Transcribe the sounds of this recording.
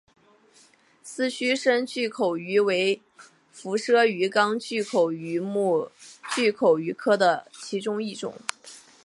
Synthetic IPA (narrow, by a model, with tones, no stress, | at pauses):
sɹ̩˥˩ɕy˥ʂə˥nt͡ɕy˥˩kʰo˨˩ʊy˧˥we˧˥ɪ | fu˧˥ʂɤ˥y˧˥kɑ˥ŋt͡ɕy˥˩kʰo˨˩ʊy˧˥mu˥˩˧t͡ɕy˥˩kʰo˨˩ʊy˧˥kʰɤ˥d̪ə˨t͡ɕʰi˧˥ʈ͡ʂʊ˥ŋi˥˩ʈ͡ʂʊ̰˨˩˦ŋ